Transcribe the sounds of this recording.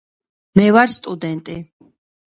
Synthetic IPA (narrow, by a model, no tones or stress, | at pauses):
mɛvaɾst̪ʼud̪ɛnt̪ʼi